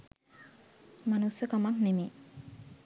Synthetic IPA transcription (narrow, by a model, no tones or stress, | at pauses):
manusəkamaknemeː